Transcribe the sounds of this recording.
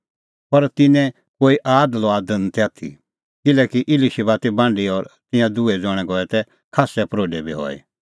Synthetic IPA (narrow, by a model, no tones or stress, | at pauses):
pɐɾt̪ɪnɛ̃ | koːiʔaːd̪lɔaːd̪ənt̪ɛat̪ʰḭ | kɪlɛːkiʔɪliʃibaːt̪ibãːɳɖiɔɾt̪ɪ̃jãd̪ʊɛd͡zɔɽ̃ɛ̃ɡɔːɛt̪ɛ | kʰaːsɛpɾoːɖɛbʱiɦɔ̰ːḭ